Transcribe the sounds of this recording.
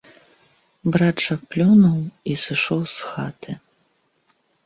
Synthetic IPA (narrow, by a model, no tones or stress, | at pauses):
bɾat͡ʂɐk̚plʲunuwisɨʂɔwsxat̪ɨ